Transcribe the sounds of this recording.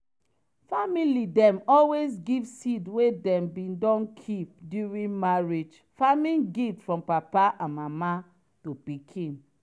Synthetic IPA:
familidɛ̃mɔlwes̬ɡivsidwedɛ̃mbĩndɔ̃nkʰip̚djuɹĩnmaɹid͡ʒ | famĩnɡitfɹɔ̃mpapaʔãnmama | topikʰĩn

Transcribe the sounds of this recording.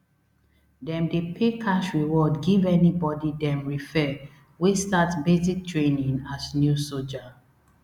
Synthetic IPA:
dɛ̃mdepʰekʰaʃɹiwɔdɡivɛnibɔdidɛ̃mɹifɛ | wistatsbezik̚tʰɹẽnĩŋasnjusod͡ʒa

